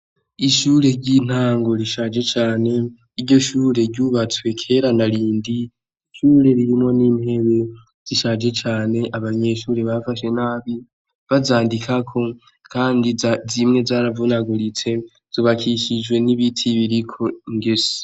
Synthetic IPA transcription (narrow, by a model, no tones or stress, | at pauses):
iʃuːɾe̞ɟin̥aːŋɡo̞ɾiʃad͡ʒe̞t͡ʃaːne̞ | iɾɟo̞ʃuːɾe̞ɾɟuβat͡swe̞kʰe̞ɾanaɾiːndi | ʃuːɾe̞ɾiɾimŋo̞nimhe̞βe̞ | z̥iʃad͡ʒe̞t͡ʃaːne̞ʔaβaɲe̞ʃuːɾe̞βafaʃe̞naːβi | βazaːndikʰakʰo̞ | kʰaːndizimŋe̞zaːɾavunaɡuɾit͡se̞ | z̥iβakʰiʃid͡ʒɡwe̞niβitʰiβiɾikʰo̞ŋɡesi̥